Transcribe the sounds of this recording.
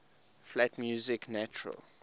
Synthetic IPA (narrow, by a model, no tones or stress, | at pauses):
flatmjuzɪknat͡ʃʊɹə̰l